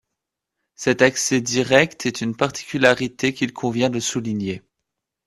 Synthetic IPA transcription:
sɛt̪aksɛd̪iʁɛkt̪ʰɛt̪ynpaʁt̪i̥kʲylaʁit̪ekʲilkʰɔ̃vjɛ̃d̪əsulinje

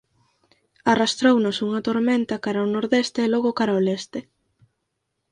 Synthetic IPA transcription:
arast̪ɾownʊsuŋɐt̪oɾment̪ɐkaɾɐonoɾðest̪eːloɣʊkaɾaolest̪ɪ

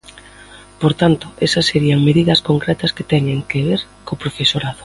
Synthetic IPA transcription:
poɾt̪ant̪ʊesɐsːeɾiɐŋmeðiðɐskoŋkɾɛt̪ɐskɪt̪ɛɲeŋkeβeɾ | kopɾofesoɾaðo

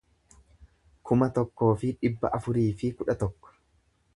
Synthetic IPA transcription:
kʰʊmɐt̪ɔkːo̞ːfɪᶑɪbːɐ̰ʔɐfʊɾiːfɪkʊᶑɐt̪ɔkːɔ̥

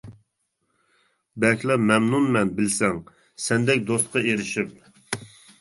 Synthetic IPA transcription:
bɛkʲʰlɛmɛmnunmɛnbɪlsɛŋ | sɛnd̪ɛk̚ʲd̪ost̪̚qʰɑeɾɪʃip̚

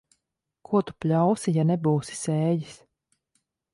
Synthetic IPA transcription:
kʰuɔt̪u̥plʲawsijanɛbuːsi̥sɛːjis

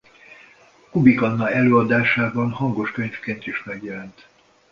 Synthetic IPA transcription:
kubikɒnːɒɛløːɒd̪aːʃaːbɒnhɒŋɡo̞ʃkøɲfkeːnt̪iʃmɛɡjɛlɛnt̪

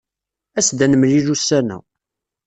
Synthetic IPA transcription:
æsd̪ænəmlilusːænæ̰

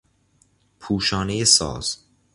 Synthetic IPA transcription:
pʰuːʃɒːnejesɒ̰ːz̥

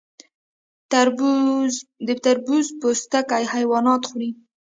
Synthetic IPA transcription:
d̪ət̪aɾbuzpost̪akajhajwɑnɑt̪xuɾi

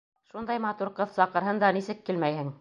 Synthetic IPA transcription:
ʃund̪ɑjmɑt̪uɾqɤðsɑqɤ̆ɾɦɤnd̪ɑnisɘ̆kːilmæjhɘŋ

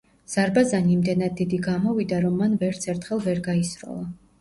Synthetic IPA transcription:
z̥aɾbazaniːmd̪ɛnad̪ːid̪iɡamɔvid̪aɾɔmːanvɛɾt̪sʰɛɾt̪ʰχɛlˠvɛɾɡaisɾɔ̰lˠa

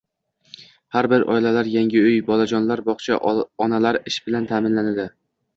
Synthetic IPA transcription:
haɾbɪɾʔɒ̰jlalaɾjaŋʲɪɵjbɒlad͡ʒɒnlaɾbɒχt͡ʃʰa̰ɒnalaɾɪʃb̥ɪlant̪ʰaːmɪnlanad̪ɪ

